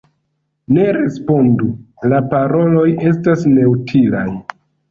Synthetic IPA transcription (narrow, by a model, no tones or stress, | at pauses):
ne̞ɾe̞spo̞ndu | lapaɾo̞lo̞je̞s̬tasne̞utʰila̰j